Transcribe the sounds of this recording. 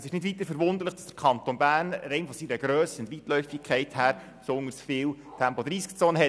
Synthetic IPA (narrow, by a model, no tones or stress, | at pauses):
sɪʃnɪdʋit̪əfəɾʋʊnd̪əɾləχd̥ɑsd̥əɾkʰɑnt̪onbæːrnɾɛɪnfɔsiɾəɡɾœːsəɪntʋitlœʏfikʰχɛɪthæːɾ | sondəsfɪːwtʰæmpod̥̪ɾiːskt͡soːnəɦɛ